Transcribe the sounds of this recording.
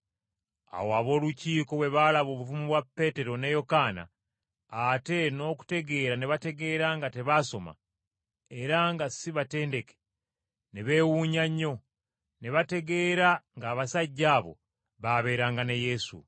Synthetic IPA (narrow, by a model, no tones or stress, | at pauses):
a̰woaβo̞ːluciːko̞we̞βalaβo̞ːβufumuβwapːe̞te̞ɾo̞ne̞jo̞kaːna̰ː | te̞no̞ːku̥te̞ɡe̞ɾaneβate̞ɡe̞ːɾaŋɡate̞βaso̞ma̰ | e̞ɾaŋɡasiβate̞ːnde̞ke̥ | neβe̞ːwuːɲaɲːo̞ | neβate̞ɡe̞ːɾaŋɡaːβasaɟːaːβo̞̰ | βaβe̞ːɾaːŋɡaneje̞sṵ